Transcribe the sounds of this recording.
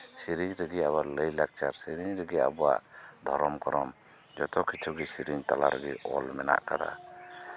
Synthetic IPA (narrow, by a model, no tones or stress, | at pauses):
siɾiɲɾəɡiabaləjlak̚t͡ʃaɾsiɾiɲɾəɡia̰bɔa̰ʔd̪ʱɔɾɔmkɔɾɔm | d͡ʒɔt̪ɔkit͡ʃʰuɡisiɾiɲt̪alaɾɡiʔɔlmɛna̰ʔkad̪a̰